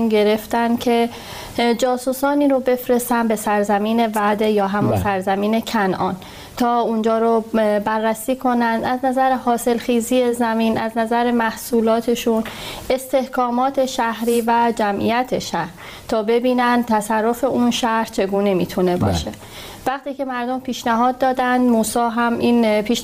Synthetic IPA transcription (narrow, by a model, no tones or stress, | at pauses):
unɟe̞ɾe̞ft̪ænkʰe̞ | d͡ʒɒːsusɒːniːɾobe̞fɾe̞st̪ænd̪be̞sæɾzæmiːne̞væd̪ejɒːɦæmunsæɾzæmiːne̞cʰænʔɒːn | t̪ʰɒːund͡ʒɒːɾobærːæsiːkʰo̞nænd̪ʔæznæzæɾehɒːse̞lxiːzije̞zæmiːnʔæznæzæɾemæhsuːlɒːt̪ʰe̞ʃune̞st̪e̞hkɒːmɒːt̪ʰe̞ʃæhɾiːvæd͡ʒæmʔḭjæt̪ʰeʃæhɾ | t̪ʰɒːbe̞biːnænd̪̚t̪ʰæsærːo̞fe̞ʔunʃæhɾt͡ʃʰe̞ɡuːnemiːt̪ʰune̞bɒ̰ːʃe̞ | væxt̪iːcʰe̞mæɾd̪ompʰiːʃnæɦɒːd̪̚ːɒːd̪ænd̪muːsɒːɦæmʔiːnpʰiːʃ